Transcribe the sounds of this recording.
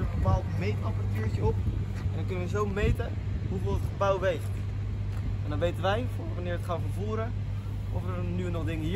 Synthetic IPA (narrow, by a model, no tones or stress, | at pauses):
əbəpaːlˠtmejtəɑpratyːɹt͡ʃəɔp̚ | ɛndɔnŋkɵnəʋəzowmejtə | ɦuvɪːlˠətχəbawʋɛjχt | ɛndɑnʋejtənʋɛjvoʋanɪːɹətχaːfəɹvuːɾə | ɔfəə | nynɔχdɪŋə